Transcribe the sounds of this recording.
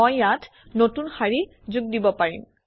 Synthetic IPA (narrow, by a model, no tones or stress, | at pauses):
ojːatʰ | notunxaɹi | zuɡ̚dibɔpaɹḭm